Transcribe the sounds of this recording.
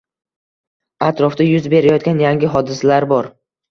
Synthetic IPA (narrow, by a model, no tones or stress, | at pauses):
at̪ɾɒfd̪ajʊzbe̞ɾajɒt̪̚ɡʲanjaŋʲɪɦɒd̪ɪsalaɾbɒɾ